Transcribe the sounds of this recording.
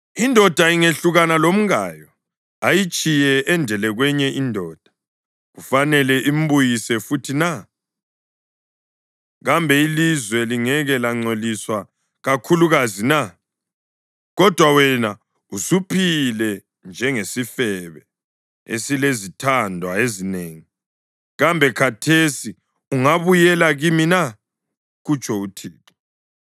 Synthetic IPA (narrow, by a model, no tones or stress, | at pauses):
indʱɔd̥ʱaiŋeɬuɣanalom̩ɣaːjɔ | ajit͡ʃʼijɛʔɛndʱɛlɛɣwɛɲɛʔindʱɔːd̥ʱḁ | ɣufanɛlɛʔim̩βujisɛfutʰina | ɣambʱɛilizwɛliŋɛɣɛlaŋ͡ǀoliswa | ɣakʰuluɣazina | ɣɔd̥ʱwawɛna | usupʰilɛ | nd͡ʒʱɛŋesifɛβɛ | ḛsilezitʰandʱwaezineːŋi | ɣambʱɛkʰatʰesi | uŋaβujɛlaɣimina | ɣut͡ʃʼʰɔutʰiːǁɔ̥